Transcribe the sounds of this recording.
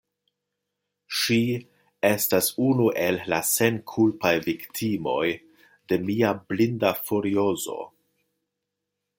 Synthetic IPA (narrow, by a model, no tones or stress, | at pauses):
ʃi | e̞stasunuʔe̞lːase̞nkʰulpajviktʰimo̞̰j | de̞miablindafuɾio̞zo̞̰